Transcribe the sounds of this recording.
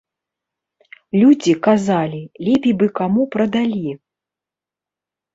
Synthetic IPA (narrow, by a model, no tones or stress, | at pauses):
lʲud͡zʲikazalʲilʲɛpʲijbɨkamupɾɐd̪alʲi